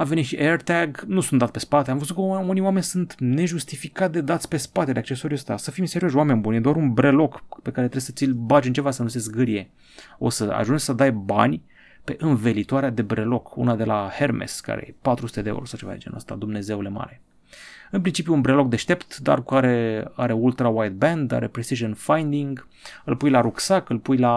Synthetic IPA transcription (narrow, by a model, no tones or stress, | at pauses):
avenit̪ʃiʔert̪aɡnusunt̪ape̞spat̪eamvəzut̪kəuniwame̞nʲsunt̪ne̞ʒust̪ifikat̪̚d̪ed̪at̪sʲpe̞spat̪e̞d̪eakt͡ʃe̞soɾiəst̪ʲasəfijmiseɾioʃoame̞nʲbunjed̪oaɾunbɾe̞lo̞kpe̞kaɾe̞t̪ɾesət̪silbad͡ʒɨnt͡ʃevasənunsesɡɨɾije̞ | o̞̰səa̰ʒunt͡ʃʲsəd̪ajbanʲ | pe̞ʔɨnve̞lit̪oaɾead̪e̞bɾe̞lo̞kṵnad̪e̞lahe̞rmḛska̰ɾḛjḛpat̪ɾusu̥t̪ed̪eeṵɾosawt͡ʃe̞va̰d̪ḛd͡ʒenuəst̪a̰d̪umne̞ze̞ule̞ma̰ɾe̞ | ɨnpɾint͡ʃipjuunbɾelo̞k̚d̪e̞ʃt̪e̞pt̪d̪a̰rkuaɾe̞aɾe̞ult̪ɾawajt̪̚bend̪a̰ɾepɾesiʒənfajnd̪iŋɡ | ɨlpujlaɾuksakɨlpujla